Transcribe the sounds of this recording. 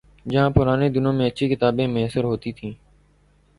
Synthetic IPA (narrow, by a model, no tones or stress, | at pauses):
d͡ʒəɦãːpʊɾaːneːd̪ɪnõːmẽːətːʃʰiːkɪt̪aːbẽːmeɦsəɾɦoːt̪iːt̪ʰĩː